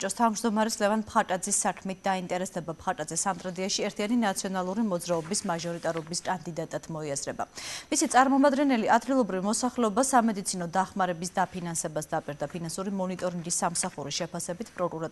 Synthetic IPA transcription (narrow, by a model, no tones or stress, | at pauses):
t͡ʃʼɔst̪ʰavmd͡ʒd̪ɔmaɾɛslɛvanpʰχat̪ʼad̪zisːakʰmit̪̚ʰd̪aint̪ʼɛɾɛsd̪ɛbapχat̪ʼad̪zɛsant̪ʼɾad̪iaʃiɛɾt̪ʰianinat̪sʰiɔnalˠuɾimɔd̪zɾaɔbismaʒɔɾit̪ʼaɾɔbiskʼand̪id̪at̪ʼad̪̥mɔiasɾɛba̰misit̪sʼaɾmɔmad̪ɡɛnɛliʔad̪ɡilˠɔbɾivmɔsaχlɛɔbasamɛd̪it̪sʰinɔd̪aχmaɾɛbisd̪apʰinansɛbasd̪apʼiɾd̪apʰinansuɾimɔnit̪ʼɔɾiŋɡisːamsaχuɾiʃɛpʰasɛbit̪ʰpʼɾɔkʼuɾa